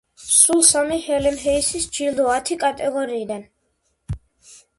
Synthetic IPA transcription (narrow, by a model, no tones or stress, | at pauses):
sulˠsamihɛlɛmɦɛisisd͡ʒild̪ɔat̪ʰikʼat̪ʼɛɡɔɾiːd̪an